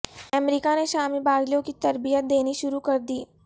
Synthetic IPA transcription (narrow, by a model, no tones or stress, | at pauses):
ɐmɾiːkaneʃaːmibaːɡlijõkit̪ɐɾbijət̪̚d̪eːniʃʊɾukɐɾd̪iː